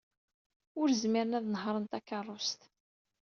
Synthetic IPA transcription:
ʊɾzmɪɾənæðnəɦɾˤənt̪ækːərˤːʊst̪

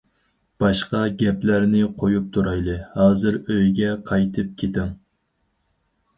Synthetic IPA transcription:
b̥ɑʃqɑɡʲɛplæɾnɪqʰojup̚t̪ʰuɾɑjlˠɨhɑːzɨɾøjɡʲɛqʰɑjt̪ʰɨp̚kʲʰet̪ɪŋ

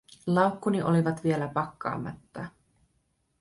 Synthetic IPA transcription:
lɑuwkːuniʔo̞liʋɑt̪ʋie̞læpɑkːɑ̰ːmːɑ̰t̪ːɑ

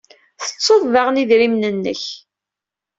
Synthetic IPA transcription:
θə̥t͡sːoðˤvaʁniðɾimnənːəç

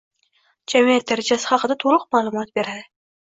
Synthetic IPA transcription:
d͡ʒamijat̪̚d̪aɾad͡ʒasɪ̥χɑqʰɨd̪at̪ʰoɾʊqmalˠʊmɒt̪̚be̞ɾad̪ɪ

